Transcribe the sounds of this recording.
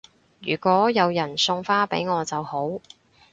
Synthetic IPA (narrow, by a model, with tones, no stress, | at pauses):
jy̰ː˨˩kʷɔː˨˥jɐ˨˧wjɐ˨˩nsʊ˧ŋfaː˥pe˨˥jŋɔː˨˧t͡sɐ˨who˨˥w